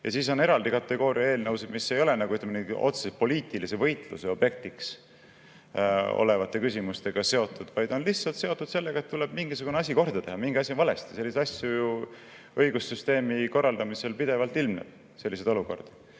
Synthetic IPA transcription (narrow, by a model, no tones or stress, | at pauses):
jʔɑ̰siːs̬o̞ne̞ɾɑld̪ikɑt̪ːˑe̞ɡ̥o̞ːɾiɑe̞ːlnɤwsed̪misːe̞jo̞le̞nɑɡuyt̪ːlemeneo̰t̪se̥sepo̞liːt̪ˑilise̞vɤ̞jt̪ˑlṵseo̞b̥je̞k̚t̪iks | o̰le̞vɑt̪ːˑe̞kysʲimust̪e̞ɡ̥ɑse̞o̞t̪ːˑud̪̥vɑjd̪̥o̞nlihsɑlt̪se̞o̞t̪ːˑud̪̥se̞lːeɡ̥ɑet̪ːule̞b̥miŋɡ̥isuɡ̥uneɑs̬ʲiko̞rd̪̥ɑt̪e̞ɦɑmiŋɡ̥iɑsʲinvɑle̞st̪i̥selːiset̪ɑsʲjuju | ɤjɡusːyst̪e̞ːmiko̞rːɑld̪ɑmise̞lpid̪̥e̞vɑlt̪ilmnḛd̪̥ | se̞lːis̬ed̪̥o̞luko̞̰rd̪̥